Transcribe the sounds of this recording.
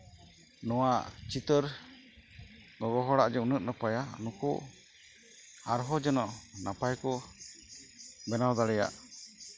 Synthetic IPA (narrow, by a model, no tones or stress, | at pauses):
nɔwaʔt͡ʃit̪əɾ | ɡɔɡɔɦɔɽaʔd͡ʒɛunəʔ̚napajanukṵ | aɾɦɔd͡ʒɛnɔʔnapajkɔ | bɛnawd̪aɽɛja̰ʔ